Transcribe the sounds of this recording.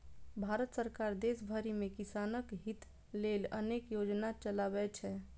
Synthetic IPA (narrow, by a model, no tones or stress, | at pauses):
bʱaɾət̪səɾkaɾd̪esbʱəɾimekisanəkɦit̪ | lelə̰nekjod͡ʒnat͡ʃəlabɛt͡ʃʰɛ